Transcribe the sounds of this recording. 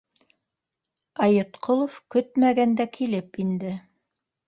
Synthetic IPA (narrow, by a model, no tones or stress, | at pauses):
ɑjot̪qolˠofkɵt̪mæɡænd̪ækʰilɘpind̪ɘ